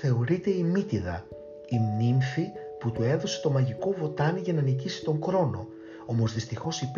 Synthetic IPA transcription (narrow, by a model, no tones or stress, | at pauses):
θe̞o̞ɾit̪e̞imit̪iðɐ̰ | imniɱfi | put̪ue̞ðo̞se̞t̪o̞mɐʝiko̞vo̞t̪ɐniʝɐnɐnicisi̥t̪o̞ŋɡɾo̞no | o̞mo̞zðist̪ixo̞sip